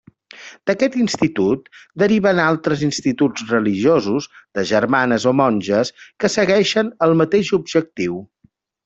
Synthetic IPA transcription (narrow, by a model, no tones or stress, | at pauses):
d̪̥əkɛt̪inst̪it̪ut̪̚d̪əɾiβənalˠt̪ɾəzinst̪it̪ud͡zrəliʒozuzd̪̥əʒəɾmanəzomɔnʲʒəskəsəɣɛʃənəlˠmət̪eʃubʒək̚t̪iw